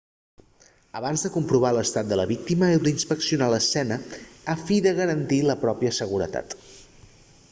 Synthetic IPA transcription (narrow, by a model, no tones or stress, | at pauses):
əβanzðəkumpɾuβ̞aləst̪at̪̚d̪ələβik̚t̪iməewlinspəksiunaləsɛnəafiðəɣəɾənt̪iləpɾɔpiəsəɣuɾə̰t̪a̰t̪